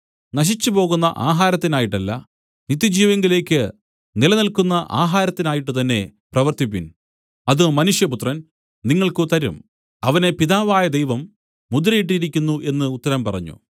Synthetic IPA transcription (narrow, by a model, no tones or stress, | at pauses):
nɐɕ̬it͡ɕːɨpo̞ːɣunːɐ̰ʔaːɦaːɾɐt̪ːinaːjiʈːɐlːɐ̰ | nit̪ːjid͡ʑiːʋeŋɡile̞ːkʲːɨ | nilɐnilkunːɐʔaːɦaːɾɐt̪ːinaːjiʈːɨt̪ɐnːe̞prɐʋɐrt̪ip̬ːin | ɐðɨmɐnuʂjɐput̪rɐn | niŋːɐɭkɨt̪ɐɾṵm | ɐʋɐne̞piðaːʋaːjɐd̪ejʋɐmː | ud̪uɾɐjiʈ̬ːiɾikʲːunːuʔe̞nːɨut̪ːɐɾɐmpɐrɐ̰ɲːṵ